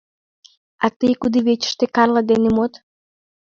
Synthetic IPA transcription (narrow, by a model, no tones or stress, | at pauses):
ɑt̪ɨjkud̪iβet͡ɕə̥ʃt̪ekɑrləd̪enemot̪